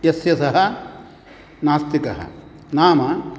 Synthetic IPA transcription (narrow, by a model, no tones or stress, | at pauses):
jesjɐsɐɦɐ̆ | naːst̪ikɐɦɐ̰ | naːmɐ